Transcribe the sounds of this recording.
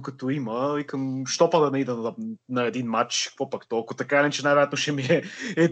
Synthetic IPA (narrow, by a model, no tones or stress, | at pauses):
kɐt̪ʊimɐikɐmʃt̪ɔpad̪ɐnɐid̪ɛnɐɛd̪inmat͡ʃkəkvɔpakt̪ɔlˠkʊt̪ɐkaɛnɛt͡ʃɛnajvɛɾjat̪nʊʃɛmiɛɛ